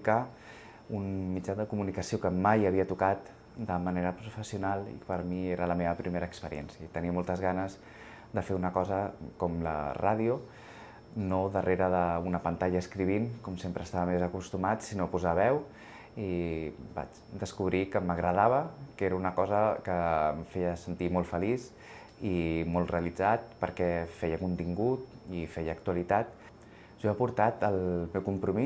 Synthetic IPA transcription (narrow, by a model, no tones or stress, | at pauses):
ka | unmid͡ʒad̪əkumunikəsiokəmajəβiət̪ukat̪ | d̪əməneɾəpɾufəsiunalˠḭpəɾmieɾʔələmeβəpɾimeɾəːkspəɾḭjɛ̰nsiəit̪əniəmɔlˠt̪əzɣanəz | d̪əfeunəkɔzəkɔmlə̰raðiu | noðərʔeɾəðəunəpənt̪aʎəːskɾiβ̞inkɔmsempɾəːst̪aβəmezəkust̪umat̪sinopuzaβ̞ɛw | iba̰t͡ʃ | d̪əskuβɾikəməɣɾəð̞aβ̞əkeɾəunəkɔzəkəmfɛjəsənt̪imɔlˠt̪fəlis | imɔlˠt̪reəlid͡zat̪̚pəɾkɛfɛjəkunt̪iŋɡut̪ifɛjəːk̚t̪uəlit̪at̪̚ | ʒ̥oəpuɾt̪at̪əlˠmewkumpɾumi